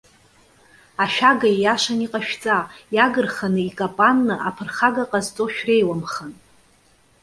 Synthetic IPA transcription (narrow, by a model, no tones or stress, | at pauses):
aʃᶣaɡajjaʂaniqʼaʃᶣt͡sʼajaɡɨrχanɨikʼapʼanːɨʔapʰɨrχaɡaqʼazt͡sʼoʃᶣre̞jwamχan